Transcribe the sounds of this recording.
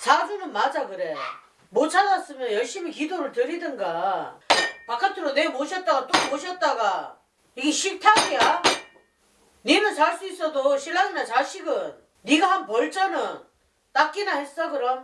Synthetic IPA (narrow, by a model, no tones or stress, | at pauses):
sad͡ʑunɯnmad͡ʑakɯɾe̞ | mot͡ɕʰadas͈ɯmjʌnjʌɭɕ͈imik̬idoɾɯɭtɯɾidɯnɡa | pakʰatʰɯɾonemoɕʰʌt̚t͈aɡat͈omoɕʰʌt̚t͈aɡa | iɡeɕʰitʰaŋija | ninɯnsaɭs͈uis͈ʌdoɕʰilːaɡinat͡ɕaɕʰiɡɯnː | iɡahanpʌɭt͡ɕ͈ʌnɯn | t͈ak͈inahe̞s͈ʌɡɯɾʌm